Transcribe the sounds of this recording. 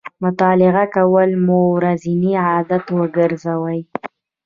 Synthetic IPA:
mʊt̪ɑlɪɣakawəlmoɾaziniɑd̪at̪wəɡəɾzawəj

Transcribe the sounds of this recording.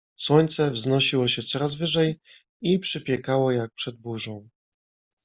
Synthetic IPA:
swɔɲt̪sɛvznɔɕiwɔɕɛt̪sɔɾazvɘʐɛj | ipʂɘpʲjɛkawɔjak̚pʂɛd̪̚buʐɔ̃w̃

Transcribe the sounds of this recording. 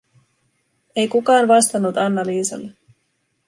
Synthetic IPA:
e̞jkukɑːnʋɑst̪ɑnːut̪ɑnːɑliːsɑ̰lːe

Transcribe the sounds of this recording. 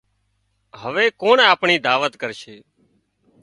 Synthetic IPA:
ɦəʋeːkoːɳaːpɳiːd̪aːʋət̪kəɾʃeː

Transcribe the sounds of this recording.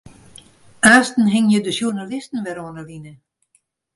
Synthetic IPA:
ʔaːstn̩ɦɪŋjədəʃjurnalɪstən̩ʋɛɾoənəlinə

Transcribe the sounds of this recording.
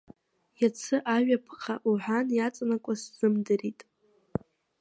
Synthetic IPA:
jat͡sʰɨʔaɥᶣapʰχʰaʔuħʷanjat͡sʼanakʷʼaszɨmdɨritʼ

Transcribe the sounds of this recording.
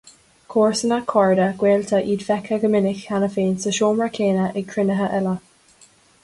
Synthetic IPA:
kʰoːɹsənakʰɔɹdəɡ̥weːlt̪ʰəʔiːdfɛkʰəɡəmɪnɪxanəfeːnsəʃoːmɹakʰeːnəʔɪɡ̚kʰɹɪnəɦəʔɛlə

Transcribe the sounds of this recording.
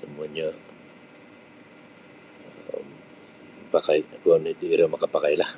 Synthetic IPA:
sumuaɲa | pakajkuanit̪uiɾamakapakajlah

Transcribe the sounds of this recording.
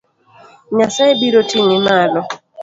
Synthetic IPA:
ɲasaebiɾotiŋɪmalɔ

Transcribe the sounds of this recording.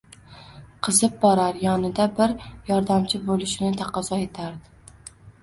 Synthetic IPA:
qʰɨzɪp̚bɒɾaɾjɒnɪd̪abɪɾjɒɾd̪amt͡ʃʰɪbolˠɪʃɪnɪt̪ʰaqʰɒzɒe̞t̪ʰaɾd̪ɪ

